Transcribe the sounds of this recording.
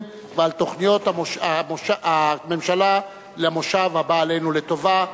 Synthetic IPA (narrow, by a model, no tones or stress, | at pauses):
vealt̪o̞χnijo̞t̪aoʃamoʃaʔamemʃala | leamo̞ʃavhabaːle̞jnulet̪o̞va